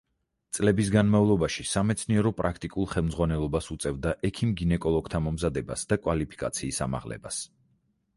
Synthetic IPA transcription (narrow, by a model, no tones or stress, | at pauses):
t̪sʼlɛbis̬ɡanmaulˠɔbaʃisamɛt̪sʰniɛɾɔpʼɾakʰt̪ʼikʼulˠχɛlˠmdzʁwanɛlˠɔbasut̪sʼɛvd̪aʔɛkʰimɡinɛkʼɔlˠɔɡ̥t̪ʰamɔmzad̪ɛba̰sd̪akʼwalipʰi̥kʼa̰t̪sʰiːsa̰ma̰ʁlɛ̰bas